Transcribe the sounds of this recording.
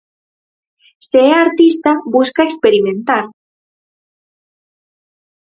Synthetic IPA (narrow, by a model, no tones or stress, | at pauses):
seeaɾt̪ist̪abuskaekspeɾimẽnt̪aɾ